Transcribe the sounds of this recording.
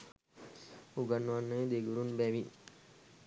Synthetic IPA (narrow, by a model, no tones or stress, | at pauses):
uɡanːuʋanːəed̪eɡuɾunbæʋi